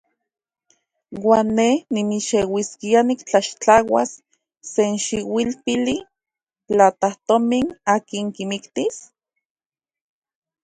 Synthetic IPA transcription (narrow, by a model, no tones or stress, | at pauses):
waːnːehnimiʃewiskianikt͡ɬaʃt͡ɬawasː | enʃiwilpili | t͡ɬat̪aht̪ominaːkiŋkimikt̪is